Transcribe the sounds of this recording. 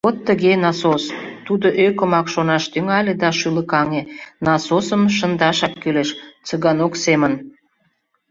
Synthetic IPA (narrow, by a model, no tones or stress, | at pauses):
ot̪ːəɣenɑsost̪ud̪oʔøkəmɑkʃonɑʃt̪yŋɑlʲed̪ɑʃyləkɑŋenɑsosəmʃənd̪ɑʃɑkːyleʃt͡səɣɑnoksemən